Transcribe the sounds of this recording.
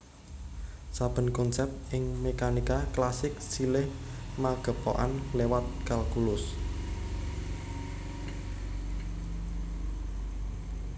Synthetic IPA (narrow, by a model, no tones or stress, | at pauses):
sab̥ə̤nkɔnsɛp̚t̪̚ɪŋmekanikaklasɪk̚silɪh | maɡ̥ə̤poʔanlewat̪̚kalkulʊs